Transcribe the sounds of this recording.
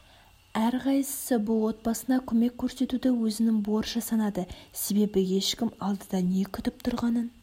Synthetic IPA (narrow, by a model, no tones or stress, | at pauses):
æɾqʰɑjsə̥səbʊlˠwo̞t̪̚bɑsənɑkʲʰɵme̞kʲʰːɵɾse̞t̪ud̪ɪwɵzɪnɪŋboɾʃɑsɑnɑd̪əse̞be̞bɪe̞ʃkʲɪmɑlˠd̪əd̪ɑne̞kʲʰʏt̪ɪp̚t̪ʰʊɾʁɑnən